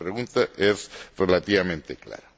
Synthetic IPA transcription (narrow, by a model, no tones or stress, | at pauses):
ɾeɣunt̪aʔezrelat̪iβamẽnt̪ekla̰ɾa